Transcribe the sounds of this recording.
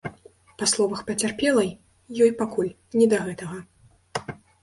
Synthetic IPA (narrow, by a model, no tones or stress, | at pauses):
paslˠɔvɐxpɐt͡sʲarpʲɛlˠɐj | jɔjpakulʲ | nʲɛd̪ɐɣɛt̪ɐɣɐ